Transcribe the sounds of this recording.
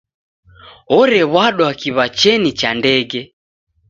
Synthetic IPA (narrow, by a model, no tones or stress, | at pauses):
ɔɾɛβwaɗwakiβat͡ʃɛnit͡ʃandɛɡɛ